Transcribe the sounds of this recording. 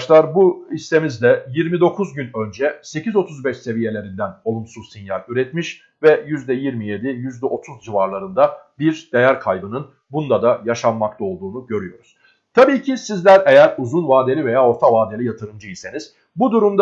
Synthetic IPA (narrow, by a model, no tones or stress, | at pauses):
ʃlˠaɾbuist̪e̞mizd̪ɛjiɾmid̪o̞kʰuzɟynø̞nd͡ʒɛse̞cʰizo̞t̪ʰuzbɛʃse̞vije̞lʲe̞ɾind̪æno̞lˠumsuzsinjaɾyɾɛt̪miʃ | vɛjyzd̪ɛjiɾmije̞d̪ijyzd̪ɛʔo̞t̪ʰuzd͡ʒivaɾlˠaɾɯnd̪abiɾd̪̥e̞jæɾkʰajbɯnɯn | bund̪ad̪ajaʃamːakt̪ˠao̞lˠd̪uːnuɟø̞ɾyjo̞ɾuz̥ | t̪ʰabiːcʰisizlʲæɾe̞jæɾuzunvaːd̪e̞lʲive̞jaːo̞ɾt̪ʰavaːd̪e̞lʲijat̪ʰɯɾɯmd͡ʒɯise̞niz̥ | bud̪uɾumd̪